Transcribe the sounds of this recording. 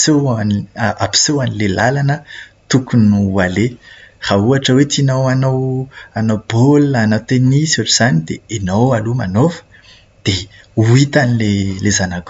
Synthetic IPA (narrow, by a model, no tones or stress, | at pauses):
seanapi̥sewanilelalanət̪ukunuualer̥auaʈ͡ʂəwet̪inowanowanowbolːnawt̪enisuaʈ͡ʂuz̥anid̪eenowalumanofə̥ | d̪̥e | uit̪anilelezanak